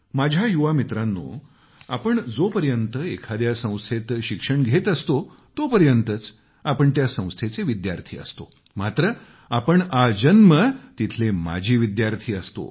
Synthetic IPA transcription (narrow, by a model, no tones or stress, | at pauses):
mad͡ʑʱjajuʋamit̪ɾãnːo̰ | apəɳd͡zopəɾjənt̪əekʰad̪jasə̃w̃st̪ʰet̪ɕikʂəɳɡʱet̪əst̪o | t̪opəɾjənt̪ət͡s | apəɳt̪jasə̃w̃st̪ʰet͡seʋid̪jaɾt̪ʰḭːə̰st̪o̰ | mat̪ɾə | apəɳad͡ʑənmət̪it̪ʰlema̰d͡ʑʱiːʋid̪jaɾt̪ʰiːəst̪o̰